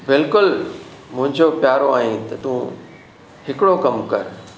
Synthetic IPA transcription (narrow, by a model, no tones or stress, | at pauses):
bɪlkʊl | mʊ̃ɦɪ̃ɲd͡ʑopjaːɾoaːɦĩt̪ɐt̪ũ | hɪkɪɽokɐmkɐɾ